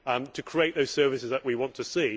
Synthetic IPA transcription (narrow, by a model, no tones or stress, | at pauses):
ʌ̃mtʰəkʰɹ̥ieɪʔðoʊz̥sɜːvɪsɪzðəʔwiwɒ̃ntʰəsiː